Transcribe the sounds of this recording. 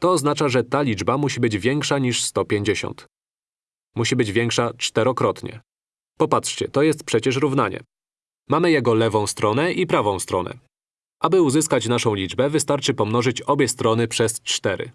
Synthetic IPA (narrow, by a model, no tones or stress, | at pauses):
t̪ɔːznat͡ʂaʐɛt̪alʲid͡ʐbamuɕibɘd͡ʑvʲjɛŋkʂaɲiʂst̪ɔpʲeɲd͡ʑeɕɔ̰̃nt̪ | muɕibɘd͡ʑvʲjɛŋkʂat͡ʂt̪ɛɾɔkɾɔt̪ɲɛ̰ | pɔpatʂt͡ɕɛt̪ɔjɛst̪̚pʂɛt͡ɕɛʂɾuvn̪aɲɛ̰ | mamɘjɛɡɔlɛvɔ̃w̃st̪ɾɔn̪ɛʔipɾavɔ̃w̃st̪ɾɔnɛ̰ | ʔabɘuzɘskat͡ɕnaʂɔ̃w̃lʲid͡ʐbɛvɘst̪aɾt͡ʂɘpɔmnɔʐɘt͡ɕɔbʲjɛst̪ɾɔnɘpʂɛst͡ʂt̪ɛɾɘ̰